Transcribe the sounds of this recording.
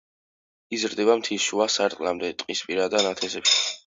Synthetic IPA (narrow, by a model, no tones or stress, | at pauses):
izɾd̪ɛβamt̪ʰiʃuasaɾt̪ʼlamd̪ɛt̪ʼqʼispʼiɾad̪anat̪ʰɛsɛpʃi̥